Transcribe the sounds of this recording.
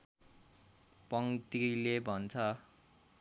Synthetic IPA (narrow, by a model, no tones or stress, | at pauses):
pʌŋt̪ilebʱʌnt͡sʰʌ